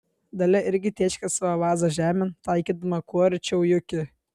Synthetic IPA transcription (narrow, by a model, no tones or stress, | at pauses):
d̪ɐlʲɛʔɪɾʲɡʲɪt̪ʲiɛt͡ʃʲkʲɐsɐʋɐʋɑːzɐʒʲæːmʲɪnt̪ɑɪkʲiːd̪ɐmɐkuɔɾʲɪt͡ʃʲɛʊjʊkʲɪ